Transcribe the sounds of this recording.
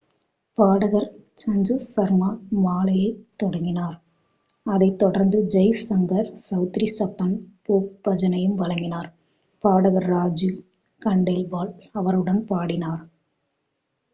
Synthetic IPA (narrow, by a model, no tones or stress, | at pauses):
paːɽɐɣɐɾt͡ʃɐɲd͡ʒusɐɾmaːmaːlɐjɐɪt̪ːɔɽɐŋɡɪnaːɾ | ɐðɐɪt̪ːɔɽɐɾnd̪ɯd͡ʒɐɪsɐŋɡɐɾsɐʊt̪ɾisɐpːɐnpoːk̚bɐd͡ʒɐnɐjɯmʋɐɭɐŋɡɪnaːɾ | paːɽɐɣɐɾːaːd͡ʒi | kɐɳɖelʋaːlɐʋɐɾɯɽɐnpaːɽɪnaːɾ